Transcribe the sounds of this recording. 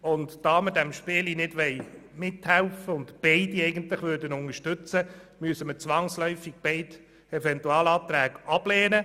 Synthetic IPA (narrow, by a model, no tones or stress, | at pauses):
ʊntd̥ɑːməɾdæmʃpɪːlinɪdʋɛɪmɪthælfəʊntb̥ɛɪdiɛɪɡənt̪lɪχʋøːɾdənʊŋəʃtʏt͡səmyəsəmət͡sʋɑŋslœʏfiɡ̥̚b̥ɛɪt | ɛfɛntuɑːlɑːt̪ɾæːɡɑb̥lɛːnə